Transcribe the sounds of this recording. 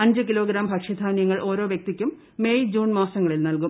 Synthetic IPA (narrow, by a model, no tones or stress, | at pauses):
ɐɲd͡ʑɨkilo̞ːɡɾaːmbʱɐkʂɐd̪ʱaːnjɐŋːɐɭʔo̞ːɾo̞ːʋjɐk̚t̪ikʲːumː | eːjd͡ʑuːnmaːsɐŋːɐɭilnɐlkum